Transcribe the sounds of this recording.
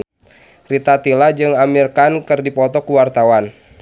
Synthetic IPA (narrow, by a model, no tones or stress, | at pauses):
rit̪at̪ilad͡ʒɨŋamirkankɨrdipɔt̪ɔkuwart̪awan